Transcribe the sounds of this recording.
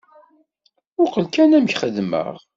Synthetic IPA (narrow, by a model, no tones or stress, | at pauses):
ʊɾqəlkænæmçχəðmə̰ʁ